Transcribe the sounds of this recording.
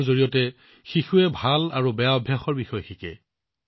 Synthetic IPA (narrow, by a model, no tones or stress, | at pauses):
zoɹijɔtɛ | xixuɛbʱalaɹubɛjaɔbʱjaxɔɹbixɔjxʰikɛ